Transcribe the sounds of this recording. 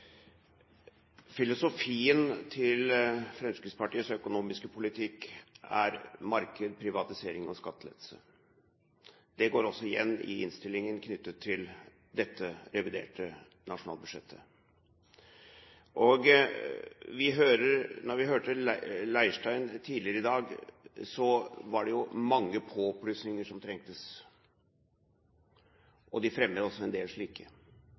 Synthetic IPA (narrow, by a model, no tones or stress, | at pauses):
fɪlʊsʊfiːənt̪ʰɪlfɾɛmskɾɪt̪spɑʈiːəsœkʊnuːmɪskəpʰʊlɪt̪ʰɪkːæ̰ɾmɑɾkəd̪pʰɾɪʋɑt̪ɪseːɾɪŋɔskɑt̪ːəlɛ̰t̪sə̰ | d̪ɛɡoːɾɔsːɔɪjɛ̰nːɪ̰ɪ̰nst̪ɪlːɪŋənkʰnʏt̪ːət̪ʰːɪl | d̪ɛt̪ːəɾɛʋɪd̪ḛːʈə | nɑʂʊnɑ̰lbʉʂɛt̪ʰːə̥ | ʔɔɡ | ʋɪɦøːɾəɾnɔɾʋɪɦøːʈəlæɪʂʈæɪnt̪ʰiːdlɪəɾəɪd̪ɑːɡsɔʋɑɖɛjʊmɑŋːəpʰoːɔpʰːlysnɪŋəʂɔmt̪ʰɾɛŋk̚t̪əs | ʔɔd̪ɪfɾɛmːəd̪əɔsːɔɛnd̪eːlʂɭiːkʰə